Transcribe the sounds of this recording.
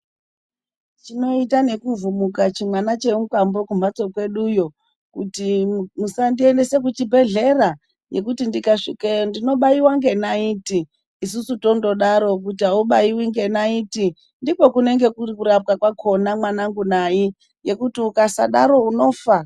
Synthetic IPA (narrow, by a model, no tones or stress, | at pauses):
t͡ʃino̞itane̞kuvumukat͡ʃimwanat͡ʃe̞uŋkambo̞kum̤at͡so̞kwe̞ɗujo̞ | kutimusandie̞nde̞se̞k̬ut͡ʃibʱe̞ɮe̞ra | je̞kutindikaʂikendino̞ɓaiwaŋɡe̞naiːtiː | s̬usuto̞ndo̞ɗaɾo̞kutiauɓaiwiŋɡe̞naiːti | ndipo̞kune̞ŋɡe̞kukuɾap̚kakwakʰo̞namwanaŋɡunai | je̞kutiukasaɗa̰ɾo̞uno̞ːfa